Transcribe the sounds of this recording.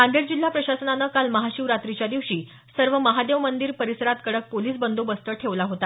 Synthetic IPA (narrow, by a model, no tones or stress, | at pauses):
ãnd̪eɽd͡ʑil̤ːapɾəɕasənanəkalməɦaɕiʋɾat̪ɾit͡ɕjad̪iʋɕiː | səɾʋəməɦad̪eʋmənd̪iːɾpəɾisəɾat̪kəɽək̚poliːsbənd̪ʱobəst̪əʈʰeʋlaɦot̪a